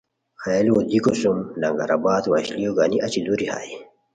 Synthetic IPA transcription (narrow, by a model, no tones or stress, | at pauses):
xajalwod̪ikosumlɐŋɡa̰ɾabaːt̪waɕlijoɡaːniʔɐt͡ɕid̪uɾiha̰ːji